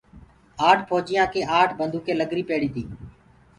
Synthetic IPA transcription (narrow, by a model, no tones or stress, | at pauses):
aːʈʰpʰoːd͡ʒɪjãːkʰeːʔaːʈʰbənd̪ʱuːkʰeːləɡɾiːpeːɽiːt̪ʰiː